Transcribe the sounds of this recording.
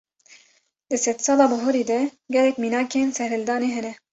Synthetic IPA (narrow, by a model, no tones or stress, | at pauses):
d̪ɨsɛt̪sɑːlɑːbʊɦoɾeːd̪ɛɡɛlɛkmiːnɑːkeːnsɛɾhɨld̪ɑːneːɦɛnɛ